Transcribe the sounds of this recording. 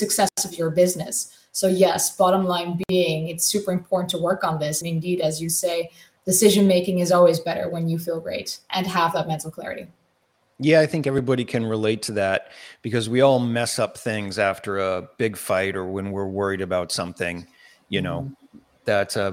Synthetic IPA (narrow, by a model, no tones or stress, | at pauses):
sɨksɛsʌvjə˞bɪznɨsː | oʊjɛsb̥ɑɾə̃mlãɪ̃nbiiɪ̃ŋɨtsʉpə˞ɨ̃mpʰɔɹʔn̩tʰəwɜ˞kn̩ðɪsɨ̃nɨ̃ndiɾɨzjɨseɪ | d̥ɨsɪʒɨ̃nmeɪkɪ̃ŋɨzɔlˠwizbɛɾə̰˞wə̃njɨfilˠɡɹḛɪɾʔɨ̃nəvðət̚mɛ̃ntˡl̩ˠkʰl̥ɛ̰ɹɨ̰ɾḭ | jæaɪθɪ̃ŋkɛvɹibɑɾikʰɨ̃nɹɨleɪtʰɨðæt̚b̥ɨkʌzwiɔlˠmɛsʌp̚θɪ̃ŋzæftə˞əb̥ɪɡ̥faɪɾə˞wə̃nwɪɹwɜ˞iɾɨbaʊtsʌ̃mθɪ̰̃ŋ | jɨnoʊ | ðætsʌ